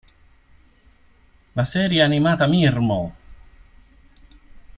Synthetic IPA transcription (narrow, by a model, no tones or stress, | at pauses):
lasɛːɾjeanimaːt̪amirmo